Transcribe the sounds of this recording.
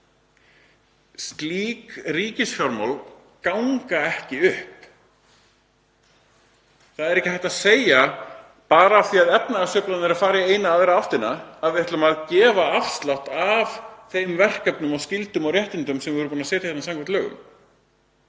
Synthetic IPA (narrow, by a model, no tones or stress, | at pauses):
st̪liːkriːcɪsfjɔɾmo̰wl | kawŋkaɛhcɪʏhp | θaðɛɾɛhcɪ̥hɛjht̪aðseːja | paːɾaːθiaðɛtnaasœːplanɪɾafaːɾjaeːjnaːðejɾaawft̪ɪnaaðvɪɛht̪lʏmaðcɛːvaafst̪lawht̪avθejmvɛr̥kœpnʏmascɪlt̪ʏmawɾjɛht̪ɪnt̪ʏmsɛmvɪvœɾpunasɛːt̪ajɛt̪asamŋkʰɛnt̪lœːɣʏ̰m